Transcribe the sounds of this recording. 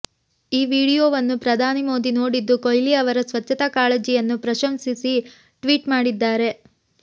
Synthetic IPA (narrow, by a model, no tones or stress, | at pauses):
iːʋiːɽijoːʋɐnːupɾɐd̪ʱaːnimo̞ːd̪ino̞ːɽid̪ːukojliɐʋɐɾɐsʋɐt͡ʃːɐt̪ɐkaːled͡ʒijɐnːupɾɐʃɐmsisi | ʈʋiːʈmaːɽid̪ːaːɾe̞